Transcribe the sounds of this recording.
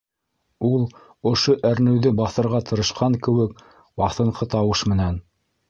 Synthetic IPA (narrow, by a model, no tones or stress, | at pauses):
ulˠ | ŏʃoʔæɾnɘ̆wðɘbɑθɤ̆ɾʁɑt̪ɤ̆ɾɤ̆ʃqɑŋkɘ̆wɘk | bɑθɤ̆ɴqɤt̪ɑwɤʃmɘ̆næn